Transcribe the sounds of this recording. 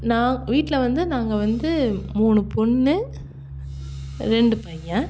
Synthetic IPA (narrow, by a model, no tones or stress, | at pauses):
naːʋiːʈːlɐʋɐnd̪ɯnaːŋɡɐʋɐnd̪ɯmuːnɯpɔɳːɯ | ɾɛɳɖɯpɐjɐ̃